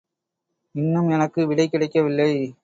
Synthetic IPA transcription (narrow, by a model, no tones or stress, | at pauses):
ɪnːɯmɛnɐkːɯʋɪɽɐɪkːɪɽɐɪkːɐʋɪlːɐɪ